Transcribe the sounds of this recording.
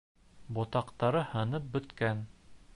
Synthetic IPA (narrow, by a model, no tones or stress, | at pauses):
bŏt̪ɑqt̪ɑɾɤhɤ̆nɤp̚bɵ̆t̪kæn